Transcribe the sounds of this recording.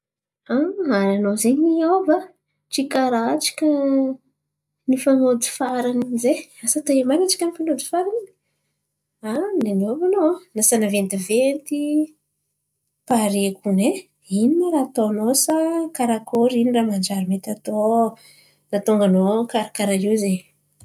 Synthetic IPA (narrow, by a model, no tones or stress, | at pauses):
aaɾanozeɲiawva | ʈ͡ʂikaɾaʈ͡ʂi̥kʲə | nifanod̪i̥faɾanizeasat̪aemanaʈ͡ʂi̥kʲənifanod̪i̥faɾanin | anenovanonasanavent̪ivent̪i | paɾekune | ininaɾat̪onosakaɾakoɾiniraːmand͡ʒaɾimet̪at̪o | nat̪oŋɡanokaɾakaɾaɦiwze